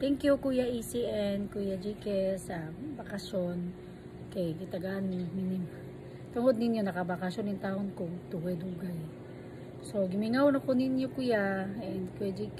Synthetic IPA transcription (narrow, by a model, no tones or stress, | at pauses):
t̪ɛŋkjukuːjaʔisiʔɛnkujad͡ʒikɛsɐbɐkɐʃon | kɐjɡɪt̪ɐɡaʔnmɪminim | t̪ʊŋod̪nɪnjonɐkɐbɐkɐʃonɪnt̪aːhonkʊŋt̪uwɛd̪huɡaj | so̞ɡɪmɪŋawnɐkonɪnjokʊjaɛnd̪kujad͡ʒik